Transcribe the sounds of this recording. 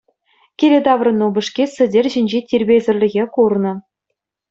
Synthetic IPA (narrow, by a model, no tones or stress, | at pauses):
kʲelʲĕd̪ɑʋrɤ̆nːubʲɘ̆ʂkʲesʲɘ̆dʲerʲʑɘ̆nʲd͡ʑetʲirʲbʲezʲɘ̆rʲlʲɘ̆ɣʲekurnɤ̆